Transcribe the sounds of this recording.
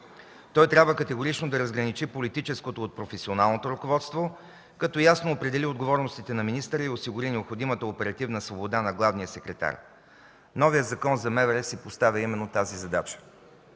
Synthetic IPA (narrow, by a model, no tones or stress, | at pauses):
t̪ɔjt̪ɾʲabvəkət̪ɛɡoɾit͡ʃnod̪ɐɾɐzɡɾɐnit͡ʃipolit̪it͡ʃɛskot̪oːt̪̚pɾofɛsionalˠnot̪oɾʊkovɔt̪st̪vo | kɐt̪ɔjasnoːpɾɛd̪ɛliod̪ɡovɔɾnost̪it̪ɛnɐminist̪əɾəiosiɡʊɾinɛopxod̪imət̪əopɛɾɐt̪ivnəsvobod̪anɐɡlˠavnijəsɛkɾɛt̪a̰ɾ | nɔvijəzɐkɔnzɐmɛvɛɾɛsipost̪avʲəimɛnːot̪azizɐd̪at͡ʃə̥